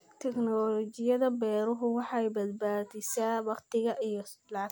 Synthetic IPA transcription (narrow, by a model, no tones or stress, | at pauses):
t̪ʰɛknɔːlɔt͡ʃɪjɐðɐbɛːɾʊɦʊwɑħɑjbɐd̪̚baːdɪsaːwɑqt̪ʰɪɣɐʔijɞlɑʕɑ